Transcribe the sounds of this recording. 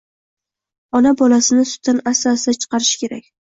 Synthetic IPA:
ɒnabɒlasɪnɪsʊ̥t̪ʰːanasasd̪at͡ʃʰɨ̥qɑɾɪʃkʲʰe̞ɾakʲ

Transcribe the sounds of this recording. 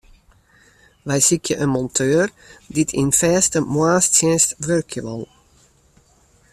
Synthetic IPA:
ʋɛjsikʰjəʔənmɔntʰøːr | ditʰinfɛːstəmwaːstsjɛnstʋørkʰjəʋɑlˠ

